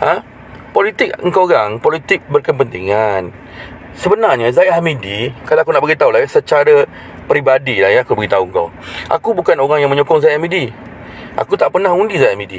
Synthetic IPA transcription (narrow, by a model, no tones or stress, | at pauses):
ə̃ | polit̪ɪk̚əŋkoɾaŋpolit̪ɪk̚bərkəmpənt̪iŋan | səbənarɲəzajamidikalaakunaʔbəɡit̪aulajasət͡ʃaɾə | pɾibadilahjaakubəɡit̪auŋka̰w | ʔa̰kubukanoɾaŋjaŋmə̃ɲokɔŋzajamidi | ʔa̰kut̪aʔpərnahundizajamidḭ